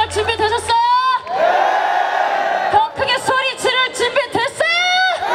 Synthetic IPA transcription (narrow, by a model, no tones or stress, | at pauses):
t͡ɕimbidweɕʰʌs͈ʌjo | kʌŋkʰɯŋesʰoɾit͡ɕiɾɯɭt͡ɕimbidwes͈ʌjo